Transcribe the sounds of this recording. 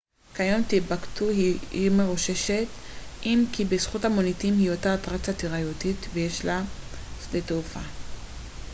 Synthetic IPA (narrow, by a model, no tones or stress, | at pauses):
kajomt̪ibaktuhiimeʁuʃe̞ʃe̞t | ʔimkibesχuthamonitimhiotat̪ʁat͡sat̪iʁajotit̪vejeʃla | leteufa